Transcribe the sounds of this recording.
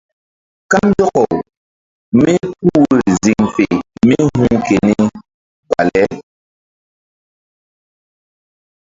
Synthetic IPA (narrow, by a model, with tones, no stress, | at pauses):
ka˦mjɔ˦kɔ˨ | mi˦p̚u˦˨i˨zi˦˨ŋfe˨mi˦hu˦ŋke˨ni˦ | ba̰˨lɛ˦